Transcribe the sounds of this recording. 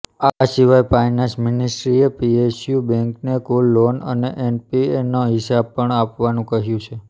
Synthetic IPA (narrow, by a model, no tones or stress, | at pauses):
asiʋajpajnãnsmɪnisʈɾiepiesjubɛ̃ŋknekulːonəneʔenpienoɦɪsab̚pəɳapʋanũkəɦjũt͡ʃʰe